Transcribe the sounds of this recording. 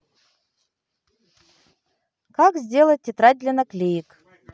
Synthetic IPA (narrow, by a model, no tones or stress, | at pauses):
kakzʲdʲelˠət̚ʲtʲːɪt̪ɾadʲlʲɪnəklʲejɪk